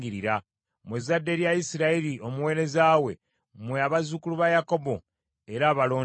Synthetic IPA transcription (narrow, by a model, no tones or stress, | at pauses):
ɡiɾiɾa | muzadːe̞ɾjaisiɾailio̞muwe̞ːɾe̞zaːwe̞ | mweaβazukuluβajako̞bo̞ | eɾaːβalo̞ː